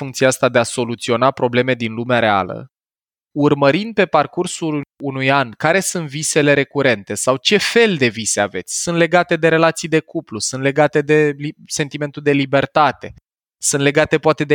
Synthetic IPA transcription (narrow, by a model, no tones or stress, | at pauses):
fuŋkt̪sieast̪ad̪e̞aso̞lut̪sio̞napɾo̞ble̞me̞d̪inlumeaɾe̞a̰lə̰ | urməɾind̪̚pe̞parkursulunujankaɾe̞sɨnt̪vise̞le̞ɾe̞kuɾe̞nt̪e̞sawt͡ʃe̞fe̞ld̪e̞visea̰ve̞t̪sʲsunt̪le̞ɡat̪e̞d̪e̞ɾe̞lat̪sijd̪e̞kuplusuɨnt̪le̞ɡat̪e̞d̪e̞lisent̪ime̞nt̪ud̪e̞libe̞rt̪at̪e̞ | sɨnt̪le̞ɡat̪e̞poat̪e̞d̪e